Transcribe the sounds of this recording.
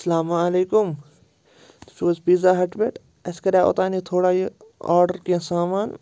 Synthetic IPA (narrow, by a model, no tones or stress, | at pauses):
ɐsɐlaːmaɐleːkʊm | t̪ʊ̥ʃoːsbiːzaːɦɐʈbeːʈ | ɐskɐɾaːʔo̰t̪aːnit̪ʰoːɽaːji | a̰ːɖəɾkĩsaːmaːn